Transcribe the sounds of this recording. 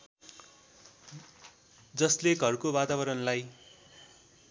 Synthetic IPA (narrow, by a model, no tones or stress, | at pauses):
d͡zʌsleɡʱʌrkobat̪abʌɾʌnlaj